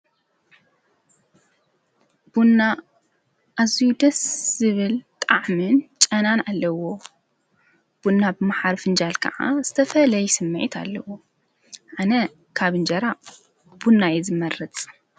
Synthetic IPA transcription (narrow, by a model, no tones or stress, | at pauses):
b̥unːa | ʔːzijud̪ɐsz̥ɨβɨlt̪ʼaʕmɨnt͡ʃʼɐnanalːɐwo̞ | b̥unːabɨmaħaɾfɨnd͡ʒalkʰɐ̰ʔa̰z̥ɨt̪ʰɐfɐlɐjsɨmːɨʕit̪ʰa̰lːɐwo̞ | ʕanɐ | kʰaβɨnd͡ʒɐɾa | b̥unːajɛzɨmɐɾɐt͡sʼ